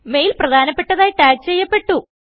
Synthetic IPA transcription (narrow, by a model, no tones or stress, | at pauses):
me̞jilprɐd̪ʱaːnɐpːe̞ʈːɐðaːjʈaːk̚t͡ɕe̞jːɐpːe̞ʈːu